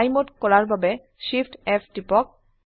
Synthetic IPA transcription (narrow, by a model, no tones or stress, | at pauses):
jmotkɔɾaɾbʱabe | ʃifʰʈefʈipɔk̚